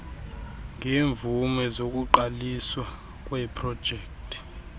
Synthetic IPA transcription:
ŋʱeːɱvumɛzok̬ʼuǃaliswa | kʼwɛpʰrɔd̥ʒ̥ʱɛːktʰʼi̥

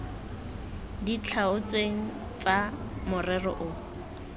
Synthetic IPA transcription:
dit͡ɬʰaʊt͡sweŋ̩ | t͡sa | mʊrɛrɔ̰ʔʊ

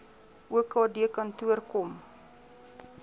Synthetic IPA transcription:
ʔuəkɑːdiəkɐntuərkɔm

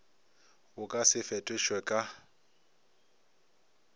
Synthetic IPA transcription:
ʊkʼasɪfɛtʼɪʃwɛkʼa

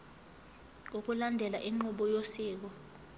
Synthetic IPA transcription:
uk̬ʼulandʱɛlaʔiŋ͡ǃuɓɔjosiːk̬ɔ

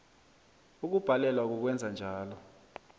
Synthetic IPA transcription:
uk̬ub̥ʱalɛlwak̬uk̬wɛnd͡zʱand͡ʒʱaːlɔ

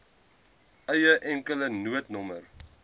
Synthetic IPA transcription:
əjəʔɛŋkələnuətnɔmər

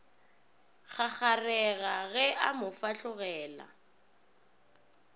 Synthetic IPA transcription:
χaχarɛɣaɣɛʔamʊfaɬʊɣɛːla̰

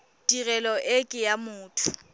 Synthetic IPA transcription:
d̥ʼirɛlɔʔɪkʼɪjamʊːtʰʊ̥

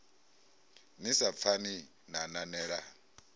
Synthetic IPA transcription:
nisap̪fʰani | nananɛːɺa

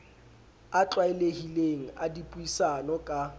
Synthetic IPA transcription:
at͡ɬwaɪlehileŋ̩adipʼuisanɔkʼa

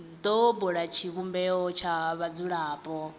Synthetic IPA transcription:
d̪ɔbɔɺat͡ʃʰiβumbɛɔt͡ʃʰaβad͡zuɺaːpʼɔ

